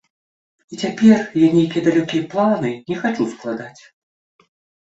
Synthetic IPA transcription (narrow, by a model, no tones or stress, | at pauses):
it͡sʲapʲɛrjanʲejkʲijɐd̪alʲɔkʲijɐplˠanɨnʲɛxat͡ʂusklˠad̪at͡sʲ